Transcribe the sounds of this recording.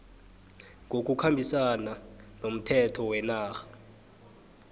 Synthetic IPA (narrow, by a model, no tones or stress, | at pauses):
ŋʱok̬ʼukʰambʱisananom̩tʰɛtʰɔwɛnaːxḁ